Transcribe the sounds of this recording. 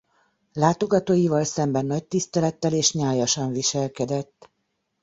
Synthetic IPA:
laːt̪o̞ɡɒt̪oːjivɒlsɛmbɛnːɒc̚t̪ist̪ɛlɛt̪ːɛleːʃɲaːjɒʃɒɱviʃɛlkɛd̪ɛt̪ː

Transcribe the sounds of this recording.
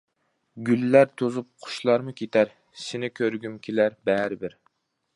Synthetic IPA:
ɡʲylːæɾt̪ʰozup̚qʰʊ̥ʃlˠɑɾmʊkʲʰet̪ʰæɾ | sɪnɪkʲʰøɾɡʲymkʲʰelæɾbɛɾɪbɪɾ

